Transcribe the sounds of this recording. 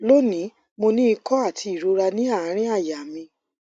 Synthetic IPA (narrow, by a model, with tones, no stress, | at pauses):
lo˦nĩ˨˦ | mo˧nĩ˦i˧kɔ˦a˦˨tʰi˧i˨ɾo˧˦ɾa˧nĩ˦a˦˨ã˨˦ɾ̃ĩ˦a˦˨ja˨mĩ˧